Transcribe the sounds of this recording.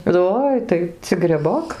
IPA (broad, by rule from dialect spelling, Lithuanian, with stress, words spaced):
ˈoːɪ tɐɪ t͡sʲɪk ɡrʲɛˈboːk